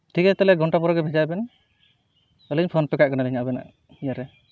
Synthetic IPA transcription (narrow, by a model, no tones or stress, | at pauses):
tʰikɛt̪ɛlɛɡʱɔɳʈapɔɾaɡɛbʱɛd͡ʒajbɛn | ɔlɛɲpʰɔnpɛkaʔ̚kanalɛɲabɛna̰ | ijaɾɛ